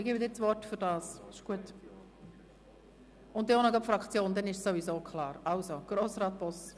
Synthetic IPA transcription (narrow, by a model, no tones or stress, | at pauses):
ɪɡiːbəd̪ɪːt͡sʋɔtfyɾdɑːsɪʃɡ̥uət | ʊnd̪ɪonəɡɑpfɾɑkʰt͡sjoːnd̥̪ɛnɪʃsoʋizoːkʰlɑːɾalsoɡ̥roːsrɑːt̪̚b̥ɔs